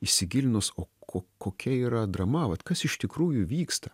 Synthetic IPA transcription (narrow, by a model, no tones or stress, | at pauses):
iʃʲsʲɪɡʲɪlʲnosoːkʰoːkoːkʲɛiːɾɐd̪rɐmɐʋɐt̪kɐsɪʃt̪ʲɪkɾuːjʊʋʲiːkst̪ɐ